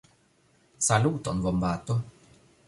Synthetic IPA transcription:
saluːt̪onvombaːt̪o

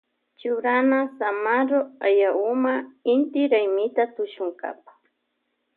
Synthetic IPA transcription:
t͡ʃʊɾanasamaɾoajaʊmaɪnt̪ɪɾajmɪt̪at̪ʊʃʊŋka̰pḁ

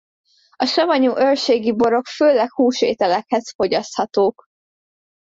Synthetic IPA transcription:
ɒʃɒvɒɲuːʔørʃeːɡibo̞ɾo̞kføːlɛkhuːʃʋḛːt̪ɛlɛkhɛzfo̞ɟɒst̪hɒt̪oːk

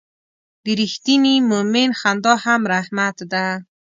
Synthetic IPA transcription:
b̥iɾiht̪inimuminxand̪ɔhamɾahmat̪d̪a

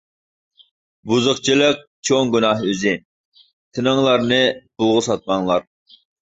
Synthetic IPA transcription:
buzʊχt͡ʃʰilˠəq̚t͡ʃʰoŋɡʲynɑɦøzɪ | t̪ʰɨnɨŋlˠɑɾnɨbʰʊlˠʁʊsɑt̪̚mɑŋlˠɑɾ

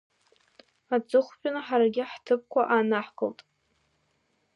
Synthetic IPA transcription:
at͡sʼɨχʷpʼᶣanaħaɾaɡʲɪħtʰɨp̚kʷʰaʔanaħkʰʼəltʼ

